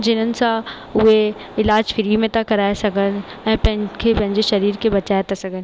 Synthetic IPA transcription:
d͡ʑɪn̤ənɪ̆sã | ʊɦe | ɪlaːd͡ʑfɪɾimẽt̪ʰakɐɾaːesɐɡʱənɪ̆ | ɛ̃ːpɐ̃ɦɪ̃kʰeːpɐ̃ɦɪɲd͡ʑeʃɐɾiːɾkʰeːbɐt͡ɕaːet̪ʰasɐɡʱənɪ̆

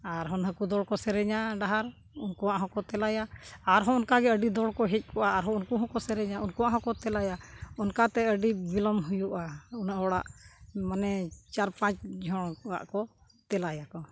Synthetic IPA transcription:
aɾɦɔnɦəkud̪ɔɽkɔsɛɾɛɲaɖaɦaɾ | unkuwaʔɦɔ̃kɔt̪ɛlajaːɾɦɔ̃ɔnkaɡɛəɖid̪ɔɽkɔɦɛc̪̚ˀkʰɔʔaːɾɦɔ̃unkuɦɔ̃kɔsɛɾɛɲaunkuwaʔɦɔ̃kɔt̪ɛlajaunkat̪ɛəɖibilɔmɦujuʔaunaʔɔɽa̰ʔmanɛt͡ʃaɾpãt͡ʃd͡ʒʱɔɽ̃wa̰ʔkɔ | t̪ɛlajakɔ

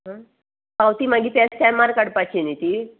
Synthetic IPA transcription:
ɦə̃ | pawt̪imaɡit̪ɛst̪amaɾkəɽpat͡ɕinit̪i

